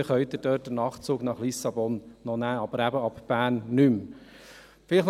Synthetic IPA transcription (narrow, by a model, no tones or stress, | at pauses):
χœʏt̪ədøːt̚d̥ənɑːχt͡suːɡnɑχlisɑbɔnnɔnæːɑb̥əɾæbəɑpb̥æːnːym | fɪlɪχ